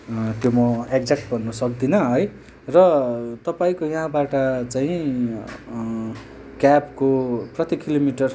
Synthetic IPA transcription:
t̪jomʌekd͡zek̚ʈ̚bʱʌnːusʌk̚d̪inʌɦʌj | rʌt̪ʌpaĩkojʌɦãbaʈʌt͡saĩ | kjapkoprʌt̪ikilomiʈʌr

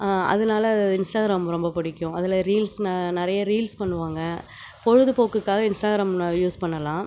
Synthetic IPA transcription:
ɐ̰ðɐnaːlɐðɪnsʈaːɣɾaːmɾɔmbɐpɐɽɪkʲːʊ̃ɐðɪlɐɾiːlsnnɪɾɐjɐɾiːlspɐɳːɯʋaːŋɡɐ | pɔɻɯðɯpoːkːɯkːaːɣɐɪnsʈaːɣɪɾaːmjuːspɐɳːɐlãː

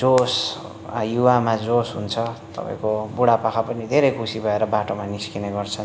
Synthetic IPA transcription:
d͡zos | juwamad͡zosɦunt͡sʰʌt̪ʌ̰pa̰ḭ̃kobuɽapakʰapʌnid̪ʱeɾejkʰusibʱʌeɾʌbaʈomaniskineɡʌrt͡sʰʌn

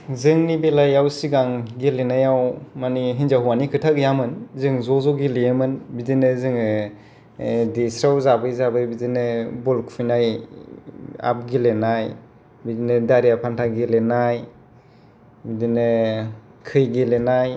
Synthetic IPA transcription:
zɯŋnibelajawsiɡaŋɡelenajawmaniɦinzaɦuwanikʰɯtʰakjamɯnzɯŋzɔzɔɡileemɯnbidinɯzɯŋɯ | desɾawzabɯjzabɯbidinɯbɔlkʰfʰijnaj | a̰p̚ɡilenaj | bidinɯdaɾijapʰantʰaɡilenaj | bidinɯ | kʰɯjɡilenaj

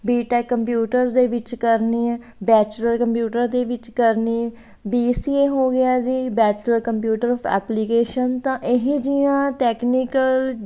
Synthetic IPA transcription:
biːʈɛːkːəmpjuːʈəɾd̪eːʋɪt͡ʃkəɾniːɛ | bɛːt͡ʃləɾkəmpjuːʈəɾd̪eːʋɪt͡ʃkəɾniː | biːsiːeːɦoːɡɪjaːziːbɛːt͡ʃləɾkəmpjuːʈəɾɔːpʰɛ̰ːplikeːʃənt̪ãːʔɪɦĩd͡ʒijãːʈɛːkniːkəl

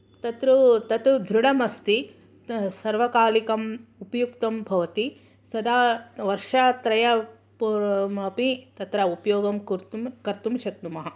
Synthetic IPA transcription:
t̪ɐt̪ɾut̪ɐt̪ud̪ʱɾuɽɐmɐst̪i | sɐɾʋɐkaːlikɐmupɐjukt̪ɐmbʱɐʋɐt̪i | sɐd̪aːʋɐɾʂaːt̪ɾɐjɐ | pmɐpit̪ɐt̪ɾɐupɐjoːɡɐmkuɾt̪umkɐɾt̪umʃɐk̚t̪umɐɦɐ

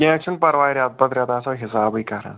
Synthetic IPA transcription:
ekʂɐnpɐɾʋaːjɐɾʲat̪̚pɐd̪ɾaːt̪aːsɐɦisaːbɐjkaːɾɐ̰

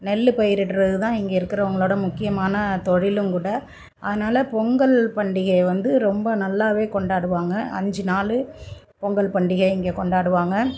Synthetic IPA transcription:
nɛlːɯpɐjɪɾɪʈːɾɐðɯt̪ãːɪŋɡeːɪɾɯkːɪɾɐʊŋɡɐɭoːɽɐmʊkːɪjɐmaːnɐt̪ɔɻɪlɯmkuːɽɐ | ʔɐðɐnaːlɐpɔŋɡɐlpɐɳɖɪɣɐɪʋɐnd̪ɯɾɔmbɐnɐlːaːʋeːkɔɳɖaːɽɯʋaːŋɡɐʔɐ̰ɲd͡ʒɯnaːlɯ | pɔŋɡɐlpɐɳɖɪɣɐɪɪŋɡeːkɔɳɖaːɽɯʋaːŋɡɐ

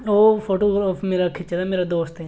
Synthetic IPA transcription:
oːfʰoːʈoːɡɾmeːɾakʰɪt͡ʃːd̪ameːɾad̪oːst̪ɦɛ

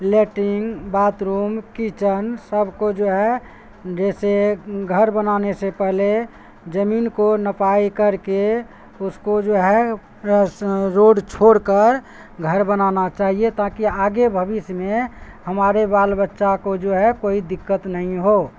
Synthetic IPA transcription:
leʈɪŋɡbaːt̪ɾuːmkit͡ʃənsəbʱkod͡ʒoːɦɛ | d͡ʒɛːseɡʱəɾbənaːnesepɛɦle | d͡ʒəmiːnkonəpaːikəɾke | ʊskod͡ʒoːɦɛ | ɾoɖt͡ʃʰoːɽkəɾ | ɡʱəɾbənanat͡ʃaːɦiet̪akiaːɡebʱəbɪsjmẽhəmaːɾebaːlbətːʃakod͡ʒoːɦɛkoːid̪ɪkːət̪nəɦĩɦoː

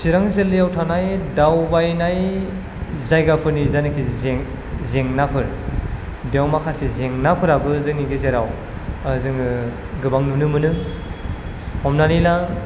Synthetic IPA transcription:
siɾaŋzelːijawtʰanajdawbajnaj | zajɡapʰɯɾnizajnakʰizeŋ | zeŋnapʰɯɾ | dewmakʰasizeŋnapʰɯɾabɯzɯŋniɡezeɾaw | zɯŋɯ | ɡɯbaŋnɯnɯmɯnɯ | hɔmnanila

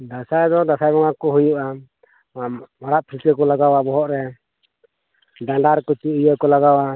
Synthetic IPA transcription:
d̪asajd̪ɔd̪asajbɔŋakɔɦujuʔa | maɾaʔpʰilkəkɔlaɡawabɔɦɔʔɾɛ | ɖaɳɖaɾkɔt͡ʃujəkɔlaɡawa

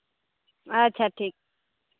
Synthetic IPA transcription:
ətːɕʰaʈʰiːk̚

